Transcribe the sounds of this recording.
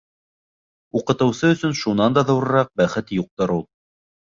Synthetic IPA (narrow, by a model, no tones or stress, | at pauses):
uqɤ̆t̪ɤ̆wsɤɵ̆sɵnʃunɑnd̪ɑðɤ̆wɾɤ̆ɾɑq̚bæχɘt̪juq̚t̪ɤɾulˠ